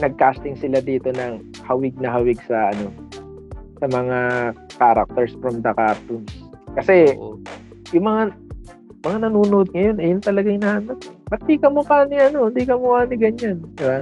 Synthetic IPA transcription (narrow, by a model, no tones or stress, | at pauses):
nɐɡ̚kaːst̪ɪŋsɪlad̪iːt̪o̞nɐŋ | hɐwɪɡ̚nɐɦɐwɪɡ̚sɐʔɐ̰no̞ | sɐmɐŋakaːɾɐ̰k̚t̪ɛɹsfɾɐmd̪ɐkap̚t̪ʊmskɐsɛ | jʊŋmɐŋa | mɐŋanɐnuːnod̪̚ŋɐjo̞nʔɐjʊnt̪ɐlɐɡaŋnanɐt̪bɐt̪ikɐmʊpaːnɪɐnoɪnd̪ikɐmʊpaːnɪɡɐɲanɛba